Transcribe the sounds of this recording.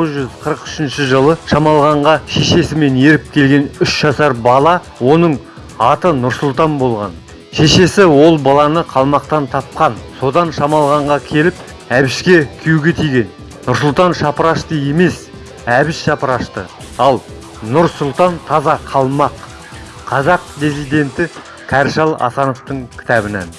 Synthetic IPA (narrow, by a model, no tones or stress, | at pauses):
oʁəzʒʏzqʰəɾəqʏ̥ʃɪnʃɪʒəlˠəʃɑmɑlˠʁɑɴʁɑʃe̞ʃe̞sɪme̞ne̞ɾɪp̚kʲʰe̞lɡʲe̞nʏʃʒ̥ɑsɑɾbɑlˠɑ | wo̞nəɴ | ɑt̪ənʊɾsʊlˠt̪ɑnbo̞lˠʁɑ̰n | ʃe̞ʃe̞sɪwo̞lˠbɑlˠɑnəqʰɑlˠmɑq̚t̪ɑnt̪ʰɑp̚qɑnso̞d̪ɑnʃɑmɑlˠʁɑɴʁɑkʲʰe̞lɪp̚ | æbɪʃkʲe̞kʲʰijuɡʲet̪ʰijɡʲe̞n | nʊɾsʊlˠt̪ɑnʃɑpəɾɑʃt̪əje̞me̞s | æbɪʃʃɑpəɾɑʃt̪ə̰ | ɑlˠ | nʊɾsʊlˠt̪ɑnt̪ʰɑzɑqʰɑlˠmɑqʰ | ɑzɑq̚d̪izijd̪e̞nt̪ɪ | kʲʰæɾʃɑlˠɑ̰sɑno̞ft̪əɴkʲʰɪ̥t̪æbɪnæ̰n